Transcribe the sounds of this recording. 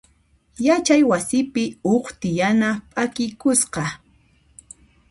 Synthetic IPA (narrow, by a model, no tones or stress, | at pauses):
jat͡ʃajwasɪpɪoχt̪ɪjanapʼakɪjkʊsqɑ